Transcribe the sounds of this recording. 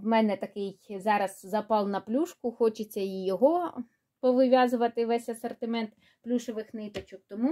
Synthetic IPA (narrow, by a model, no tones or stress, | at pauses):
ʋmɛnɛt̪ɐkɪjzɑɾɐzzɐpɑlˠnɐplʲuʃkʊxɔt͡ʃet͡sʲːɐijɔɦɔ | pɔʋɪʋʲɑzʊʋɐt̪ɪʋɛsʲɐsɐrt̪ɪmɛnt̪ | plʲuʃoʋɪxnɪt̪ɐt͡ʃɔk̚t̪ɔmu